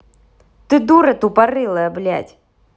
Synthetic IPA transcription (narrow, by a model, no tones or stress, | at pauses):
t̪ɨd̪uɾɐt̪upɐrɨlˠɐɐblʲa̰tʲ